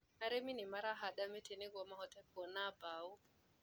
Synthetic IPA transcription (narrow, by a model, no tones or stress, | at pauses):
naɾeminɪmaɾaɦaɗametʰeneɡɔmahɔtɛpɔnabau